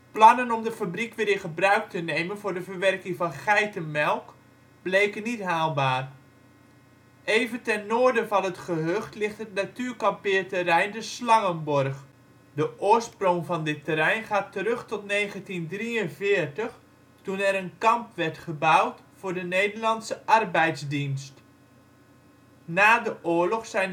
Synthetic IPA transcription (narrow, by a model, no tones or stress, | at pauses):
plɑnənɔmdəfabrikʋɪɾɪnχəbrœɥk̚tənejmənvʊːɹdəvəɹʋɛrkɪŋvɑnχɛjtənmɛlˠk | b̥lejkənitɦaːlˠbaːr | ejvəntɛnːoːɹdəvɑnətχəɦøχtlɪχtɦətnatyːɹkɑmpɪːɹtərɛjndəslɑŋənbɔrχ | dəʔʊːɹsproŋvɑndɪtəɾɛjnχaːtərɵχtɔtnejχəntindriənvɪːəɹtəχ | tunɛɾənkɑmpʋɛrtχəbʌwtfʊːɹdənejdəɹlɑnsəʔɑrbɛjzdinst | naːdəʔʊːɹlɔχsɛjn